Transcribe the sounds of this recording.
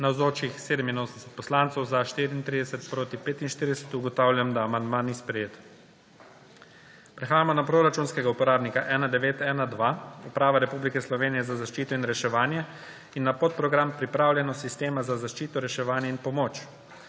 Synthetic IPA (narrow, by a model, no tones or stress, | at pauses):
nawzoːt͡ʃixseːd̪ɛminoːsnɛsɛt̪̚pɔslant̪sɔwzaʃt̪iɾiiːnt̪ɾid̪ɛsɛt̪pɾoːt̪ipeːt̪inʃt̪iːɾid̪ɛsɛt̪uɡɔt̪awlʲjamd̪aːmand̪manːispɾɛjeːt̪ | pɾɛxaːjamɔnapɾoɾat͡ʃunskɛɡaupɔɾaːbnikaʔɛnad̪ɛʋeːt̪ɛːnad̪ʋaupɾaːʋaɾɛpublikɛslɔʋeːnijɛzazaʃt͡ʃiːt̪ɔinɾɛʃɛʋaːnjɛ | inːapot̪̚pɾɔɡɾampɾipɾaːwljɛnɔsist̪eːmazazaʃt͡ʃiːt̪ɔɾɛʃɛʋaːnjɛinpɔmoːt͡ʃ